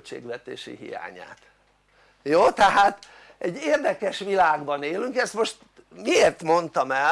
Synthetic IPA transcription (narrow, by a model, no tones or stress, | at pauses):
t͡ʃḛːɡʋɛt̪ḛːʃḭɦḭja̰ːɲa̰ːt̪ | joːt̪ɛɦaːt̪ | ɛɟːeːrd̪ɛkɛʃʋilaːɡbɒneːlyŋkɛst̪mo̞ʃt̪ | mieːrt̪mo̞nt̪ɒmɛ